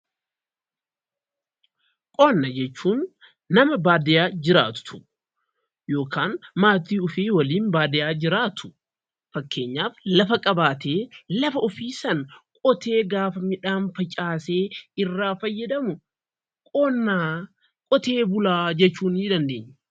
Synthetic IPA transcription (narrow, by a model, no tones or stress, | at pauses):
kʼɔːnːɐd͡ʒɛt͡ʃːuːnː | ɐmɐbaːd̪ɪjaːd͡ʒɪɾaːt̪ʊ̥t̪ʊ̥ | jo̞ːkʰaːnmaːt̪iːʊfiːwɐliːnbaːd̪ɪjaːd͡ʒɪɾaːt̪ʊ̥ | fɐkːe̞ːɲːaːflɐfɐkʼɐbaːt̪eːlɐfɐʊfiːsɐnkʼɔt̪e̞ːɡaːfɐmɪᶑaːnfɐt͡ʃʼaːseːɪrːaːfɐjːɐd̪ɐmʊ | kʼoːnːaː | kʼɔt̪e̞ːbʊlaːd͡ʒɛt͡ʃːuːniːd̪ɐnd̪e̞ːɲː